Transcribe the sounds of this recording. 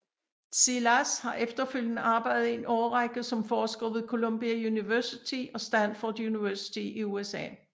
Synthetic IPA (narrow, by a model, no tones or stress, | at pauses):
silæshɑ̈ʔefd̥ɐføl̰jənəʔɑ̈ːb̥ɑ̈ɪdð̩ˠenʔɒʊɐʁaɡ̥ð̩ˠsɒ̽mfɒːsɡ̥ʁiʊð̩ˠkʰo̝lomb̥iæjuniʋæɐsit͡sʰiʔɒ̽sd̥ænfɒd̥juniʋæɐsi̥t͡sʰiʔiuesɛ̰ː